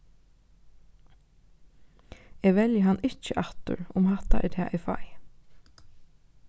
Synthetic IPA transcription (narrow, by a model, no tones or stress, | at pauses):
eːɡʋɛljəɦanːɪt͡ʃəʔɑt̪ʊ̰ɹʊmhat̪a̰ʔɛ̰ːt̪ʰɛːʔɛfa̰j